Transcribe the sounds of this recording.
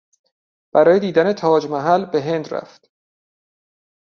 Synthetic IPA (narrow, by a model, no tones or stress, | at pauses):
b̥æɾɒːjed̪iːd̪ænet̪ʰɒːd͡ʒmæɦælbe̞ɦe̞nd̪ɾæ̰ft̪